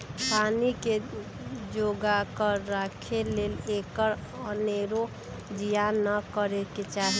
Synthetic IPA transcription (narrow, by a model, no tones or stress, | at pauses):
panike | d͡ʒoɡakəɾakʰelelekəɾ | əneɾo | d͡ʒijanəkəɾeket͡ʃaɦi